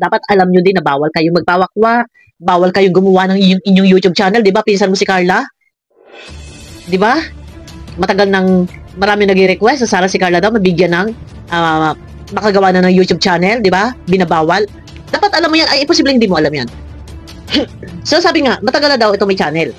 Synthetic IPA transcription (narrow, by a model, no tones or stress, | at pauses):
d̪aːpɐt̪ʔɐlamɲod̪ɪnːɐbaːwɐlkɐjʊŋmɐɡ̚pawɐkwaʔ | baːwɐlkɐjʊŋɡʊmɐwanɐŋɪɲoŋɪɲːoŋjuːt̪ub̚t͡ʃaːnɛld̪ɪbapinsɐnmosɪkaɹla | d̪ɪba | mɐt̪ɐɡalnɐŋmɐɾaːmɪŋnɐɡiɾɛkwɛst̪osaːɾɐsɪkaɹlɐd̪awmɐbɪɡjanɐŋ | ʔa | mɐkɐɡɐwaːnɐnɐŋjuːt̪ub̚t͡ʃaːnɛld̪ɪbabɪnabaːwɐl | d̪̥aːpɐt̪ʔɐlamːojanʔɐjʔɪmposiːblɛhɪnd̪iːmoʔɐlamjan | sosaːbɪŋaʔmɐt̪ɐɡalːɐd̪awʔɛt̪o̞ŋmɐjt͡ʃaːnɛl